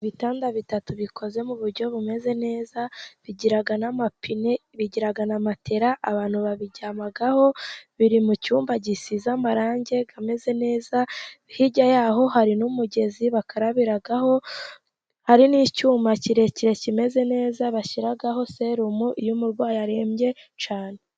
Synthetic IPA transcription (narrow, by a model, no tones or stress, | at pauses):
iβitaːndaβitatuβikʰo̞ze̞muβuɾɟo̞βume̞ze̞ne̞ːzaβiɟiɾaɡanamapʰineβiɟiɾaɡanamatʰe̞ɾaʔaβaːnhuβaβiɟamaɡaho̞βiɾimucuːmbaɟisizamaɾaːɲɟe̞ɡame̞ze̞ne̞ːzaβihiɟajaːɦo̞haɾinumuɟe̞ziβakaɾaβiɾaɡaɦo̞ | haɾiniːcuːmaciɾe̞ciɾe̞cime̞ze̞ne̞ːzaβaçiɾaɡaɦo̞se̞ɾumuʔijumuɾɡwaːjaɾe̞ːmɟe̞ | t͡ʃaːne̞e